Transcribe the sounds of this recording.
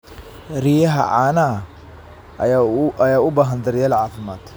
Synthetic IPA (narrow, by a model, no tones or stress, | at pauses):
ɾijɐɦɐ̰ʕaːna | ɐjaːʊbaːɦɐnd̪ɐɾɪjɐlʕaːfɪma̰ːd̪